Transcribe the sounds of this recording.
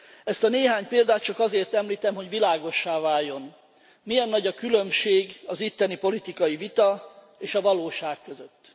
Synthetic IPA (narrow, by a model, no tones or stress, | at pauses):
ɛst̪ɒneːɦaːɲpeːld̪aːt̪̚t͡ʃɒkɒzeːrt̪ɛmliːt̪ɛmɦo̞ɟʋilaːɡo̞ʃːaːvaːjːo̞n | mijɛnːɒɟɒkylø̞mʃeːɡɒzit̪ːɛnipo̞lit̪ikɒjivit̪ɒ | eːʃɒvɒloːʃaːkːø̞zøt̪ː